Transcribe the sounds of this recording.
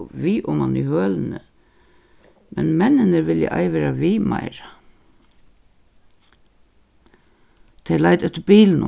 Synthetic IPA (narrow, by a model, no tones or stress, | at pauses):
ʋiːʔʊmanʏhøːlnə̰ | mɛnmɛnːɪnəɾʋɪljə̰ʔa̰jʋɛːɾaʋiːma̰jɾa | t̪ʰɛjlajt̪ɛht̪ːəɾbiːlnʊ̰